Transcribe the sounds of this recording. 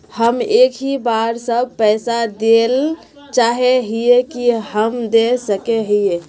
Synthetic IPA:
həmekʰɦibaɾsəb̚pɛɪsad̪el | t͡ʃaɦeɦijekiɦəmd̪esəkeɦije

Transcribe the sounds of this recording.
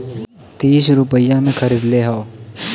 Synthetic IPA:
t̪iːsɾʊpəɪjãmẽkʰəɾiːd̪leɦao

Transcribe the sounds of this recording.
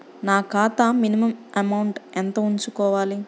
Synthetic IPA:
naːkaːt̪aminimɐmɐmɐwɳʈɛnt̪ɐuɲt͡ʃukɔːʋaːli

